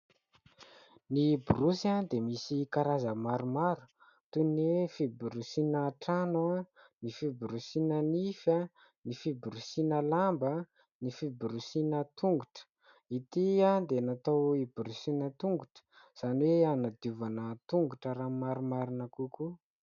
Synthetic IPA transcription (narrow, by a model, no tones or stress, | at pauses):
niburusand̪emisikaɾazəmaɾumaɾu̥ | t̪unefibuɾusinəːʈ͡ʂanuanifibɾusinənifa | nifibuɾusinəlambə | nifibuɾusinət̪uŋɡuʈ͡ʂə̥ | it̪iad̪enat̪awibɾusinət̪uŋɡuʈ͡ʂə̥ | z̥aniweanad̪iuvanət̪uŋɡuʈ͡ʂəɾamaɾumaɾunakuku